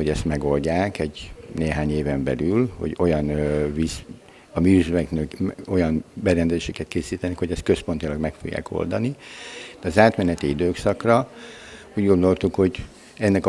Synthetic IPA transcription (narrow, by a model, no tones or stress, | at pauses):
ho̞ɟɛst̪mɛɡo̞lɟaːkɛɟneːɦaːɲeːvɛmbɛlylho̞̰ɟo̞jɒnvis | ɒmiːyzvɛknøko̞jɒnbɛɾɛnd̪ɛzeːʃɛkɛt̪keːsiːt̪ɛnɛkho̞ɟɛst̪̚kø̞spo̞nt̪ilɒɡmɛkfo̰ɡja̰ːko̞̰ld̪ɒnid̥̪ɛɒzaːt̪mɛnɛt̪iid̪øːksɒkrɒ | uːɟɡo̞nd̪o̞lt̪ukho̞ɟ | ɛnːɛk